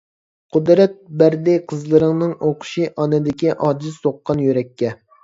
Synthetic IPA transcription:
qʰʊd̪ɾɛt̪̚bæɾd̪ɪqʰəzlˠɨɾɨŋnɨŋoqʰʊ̥ʃiʔɑnɨd̪ɪkʲiʔɑːd͡ʒɨzsoqːɑnjyɾɛkʲːɛ

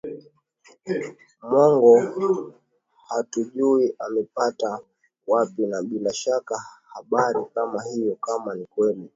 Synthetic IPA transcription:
mwɔŋɡɔ | hatuʄuiamɛpata | wapinaɓilaʃakahaɓaɾikamaɦijɔkamanikwɛli

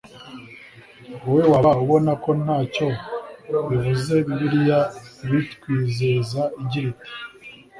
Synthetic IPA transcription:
owe̞waβauβo̞nako̞naːco̞ | βivuze̞βiβiɾijaβitkwiːzezaiɟiɾiti̥

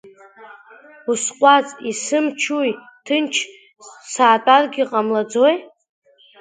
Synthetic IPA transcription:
usqʷʼat͡sʼisɨmt͡ʃʰuj | tʰɨnt͡ʃʰ | saːtʼarɡʲiqʼamlad͡zoj

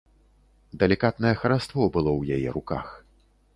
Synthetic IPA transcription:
d̪ɛlʲikat̪nɐjɛxɐɾast̪vɔbɨlˠɔwjajɛ̰ɾuka̰x

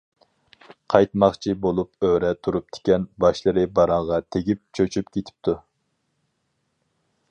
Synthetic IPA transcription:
qʰɑjt̪mɑχt͡ʃʰibolˠupøɾɛt̪ʰuɾup̚t̪ʰɪ̥kʲɛnbɑʃlˠɨɾɨbɑɾɑŋʁɑt̪ʰeɡʲip̚t͡ʃʰøt͡ʃʰypkʲet̪ʰɪ̥p̚t̪ʰu

